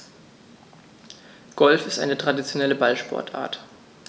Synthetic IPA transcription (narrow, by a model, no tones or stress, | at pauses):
ɡ̥ɔlfɪstaɪnətʁ̥adit͡sjonɛləbalʃpʰɔ̰ɐtʰʔa̰ːɐt